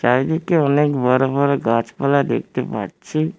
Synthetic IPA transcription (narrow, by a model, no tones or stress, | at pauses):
t͡ʃaid̪ikeɔnekbəɾobəɾɡat͡ʃpalad̪ḛk̚ʰt̪epa̰ɽt͡ʃʰi